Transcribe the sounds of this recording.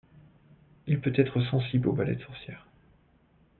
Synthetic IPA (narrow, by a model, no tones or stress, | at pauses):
ilpøt̪ɛt̪χəsɑ̃siblobalɛ̰t̪sɔʁsjɛːʁ